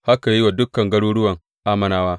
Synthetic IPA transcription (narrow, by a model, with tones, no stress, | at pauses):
ha˦ka˨ji˦wa˨dʊ˦kːɐ˨ŋɡɐ˦ɽu˦ɽʊ˦wɐ˨ŋ | ʔa˦mɐ˦naː˦waː˦